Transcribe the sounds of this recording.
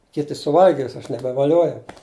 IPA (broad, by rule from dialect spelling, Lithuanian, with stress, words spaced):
ˈkʲɪtʲɪ sʊˈʋɐlʲɡʲɪs ɐʃ nʲɛbʲɛʋɐˈlʲuɔjɛʊ